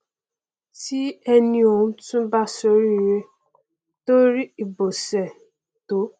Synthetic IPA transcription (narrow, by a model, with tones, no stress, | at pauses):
ti˦ɛ˦nĩ˧˦o˨ŋũ˦tũ˦ba˦so˦ɾi˦˨ɾe˦ | to˦ɾi˦i˨bo˨sɛ˨ | to˨˦